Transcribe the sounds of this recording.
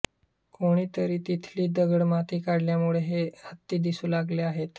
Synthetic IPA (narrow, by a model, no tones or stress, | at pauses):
koɽ̃iːt̪əɾiːt̪it̪ʰliːd̪əɡəɽmat̪iːkaɽljamuɭeɦehət̪ːiːd̪isuːlaɡleaɦet̪